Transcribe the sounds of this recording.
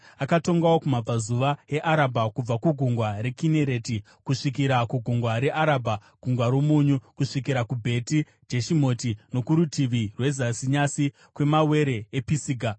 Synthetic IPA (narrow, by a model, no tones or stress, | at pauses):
akato̞ŋɡawokumab͡vazuʋae̞ʔaɾabʱakub͡vakuɡʱuŋɡwaɾe̞kine̞ɾe̞ti | kuʂikiɾakuɡʱuŋɡwaɾe̞ʔaɾaːbʱaɡ̥ʱuŋɡwaɾomuɲukuʂik̬iɾakubʱe̞ti | d͡ʒeʃimo̞tino̞kuɾutiʋirwe̞zasiɲasi | kwe̞mawe̞ɾe̞episiːɡʱa